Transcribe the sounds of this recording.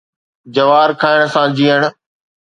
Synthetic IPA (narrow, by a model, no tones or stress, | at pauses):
d͡ʑɐʋaːɾkʰaːɪɽ̃̆sãd͡ʑiːəɽ̃ʊ̆